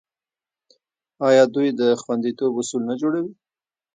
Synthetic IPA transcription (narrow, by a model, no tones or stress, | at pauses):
ɑjɑd̪ujd̪əxwand̪it̪obʊsulnad͡ʒoɽawi